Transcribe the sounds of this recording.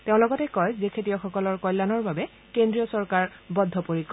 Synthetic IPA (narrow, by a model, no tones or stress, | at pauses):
teʊ̃lɔɡɔtɛkɔjzekʰetijɔxɔkɔlɔɹkɔjlːanɔɹbabɛ | kendɹiɔsɔɹkaɹbɔdʱːɔpoɹikɔ